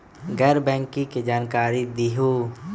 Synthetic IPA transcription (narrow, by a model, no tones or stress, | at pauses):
ɡɛɾbɛ̃ːŋkĩked͡ʒaːnkaːɾid̪iɦu